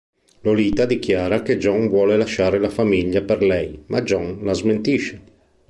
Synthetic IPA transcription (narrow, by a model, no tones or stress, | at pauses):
loliːt̪ad̪ik̟jaːɾaked͡ʒɔŋvwɔːlelaʃaːɾelafamiʎːaperlɛjmad͡ʒɔŋlazment̪iʃe